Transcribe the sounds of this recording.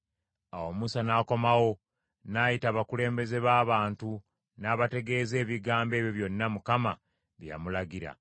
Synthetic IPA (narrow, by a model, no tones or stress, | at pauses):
awo̞musanaːko̞mawo̞ | naːjitaːβakule̞ːmbe̞ze̞βaːβaːntu | naːβate̞ɡe̞ːze̞ːβiɡaːmbe̞ːβjo̞βjo̞nːamukama | βja̰mulaɡiɾa̰